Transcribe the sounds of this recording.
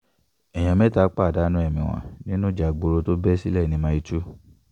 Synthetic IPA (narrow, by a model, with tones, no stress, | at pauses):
ɛ˨j̃ã˨˧mɛ̃˦ta˨˦k͡pa˦˨da˨˦nũ˦ɛ˦˨mĩ˨w̃ã̰˧˨nĩ˦nũ˦d͡ʒa˨ɡ͡bo˧ɾo˧to˦bɛ˦si˦lɛ˦˨nĩ˧˦mã˧˦i˧tu˦